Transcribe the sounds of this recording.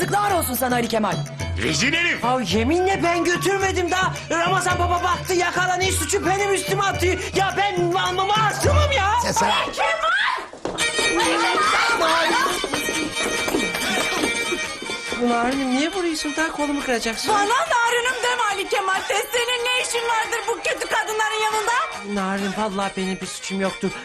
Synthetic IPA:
sɯklˠamaɾo̞lˠsunsanaɾicʰʲemalʲɾḛd͡ʒineɾimvaje̞minlʲɛbænɟøt̪ʰyɾme̞d̪imd̪a | amasanbababak̚t̪ʰːɯjakalˠaniʃsut͡ʃʰupenimyst̪imat̪ʰːɯjabænanlːˠamaːɾt̪ɯmɯmjasesakʰemalʲ | naɾ | bunaːɾɯnɯmnijɛbuɾajɯʃɯmd̪aakʰo̞lˠumukɯɾad͡ʒaksvalːˠanaːɾɯnɯmd̪emalʲicʰɛmalʲt̪ɛst̪eninːejiʃinvaɾd̪ɯɾbucøt̪ykad̪ɯnlˠaɾɯnjanɯnd̪a | naːɾɯnɯmpallˠaːbe̞nimbiɾsy̥t͡ʃʰymjok̚t̪ʰuɾ̥

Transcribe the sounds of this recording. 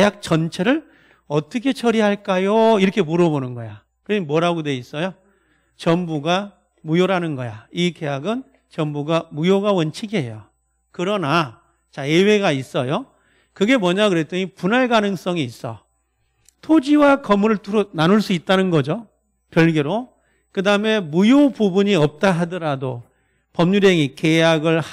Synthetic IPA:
ejak̚t͡ɕʌnt͡ɕʰe̞ɾɯɭ | ʌt͈ʌkʰe̞t͡ɕʰʌɾiɦaɭk͈ajoiɾʌkʰe̞muɾʌbonɯnɡʌja | kɯɾʌɲimwʌɾaɡode̞is͈ʌjo | t͡ɕʌmbuɡa | mujoɾanɯnɡʌjaike̞jaɡɯn | t͡ɕʌmbuɡamujoɡawʌnt͡ɕʰiɡiɦḛjo | kɯɾʌna | t͡ɕaewe̞ɡais͈ʌjo | kɯɡe̞mwʌɲakɯɾet͈ɯŋipunaɭɡanɯŋs͈ʌŋiːs͈ʌ̰ | tʰod͡ʑiwakʌmuɾɯɭtuɾnanuɭs͈uit̚t͈anɯnɡʌd͡ʑo | pjʌɭɡeɾo | kɯdaɯme̞mujopubuɲiʌp̚t͈aɦadʌɾado | pʌmɲuɾjeŋike̞jaɡɯɭh

